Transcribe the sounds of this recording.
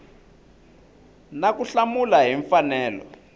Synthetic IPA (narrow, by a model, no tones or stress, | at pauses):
nakuɬamulaɦiɱfanɛːlɔ̰